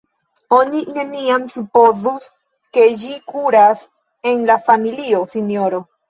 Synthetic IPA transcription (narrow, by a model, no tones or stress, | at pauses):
o̞nine̞niamsupo̞zus | ke̞d͡ʒikuɾas | e̞nlafamilio̞sinio̞ɾo̞